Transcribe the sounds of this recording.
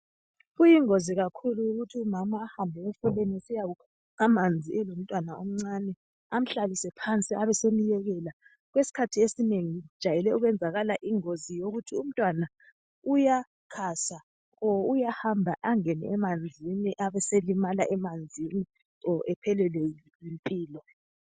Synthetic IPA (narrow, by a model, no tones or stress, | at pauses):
ɣujiŋoziɣakʰuluuɣutʰiumamaːhambʱɛɛfɔlenisijaɣukʰu | amand͡zʱiɛlom̩tʼwanaom̩ŋ͡ǀanɛ | am̩ɬalisɛpʰant͡sʼiʔaβɛsemijɛɣɛla | ɣwesi̥kʰatʰiesineŋid̥ʒ̥ʱajɛlɛuɣwɛnd͡zʱaɣalaʔiŋozijoɣutʰium̩tʼwana | uja | kʰasa | ɔujahambʱaʔaŋɛnɛ̰ʔɛmand͡zʱiniʔaβɛselimalaʔɛmand͡zʱini | ɔʔɛpʰɛlɛlɛlimpʼiːlɔ